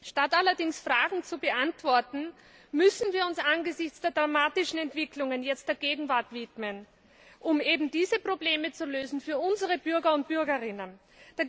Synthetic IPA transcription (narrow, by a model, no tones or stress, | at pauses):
ʃtatalɐdɪŋsfʁaːɡŋ̩t͡subəʔantv̥ɔɐtn̩ | mʏsn̩viːɐʊnsanɡəzɪçt͡sd̥eːɐd̥ʁamaːtɪʃn̩ɛntv̥ɪklʊŋənjɛt͡std̥eːɐɡeːɡŋ̩vaɐtv̥ɪtmən | ʔʊmeːbm̩d̥iːzəpʁ̥obleːmət͡suløːzn̩fyːɐʔʊnzəʁəbyɐɡɐʊnt̚b̥yɐɡɐʁɪnən | d̥aːɐ